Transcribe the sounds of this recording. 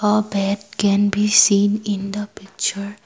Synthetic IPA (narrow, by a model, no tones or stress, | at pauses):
əbɛd̚kɛ̃nbisĩːnɪ̃nd̪əpɪk̚t͡ʃəɹ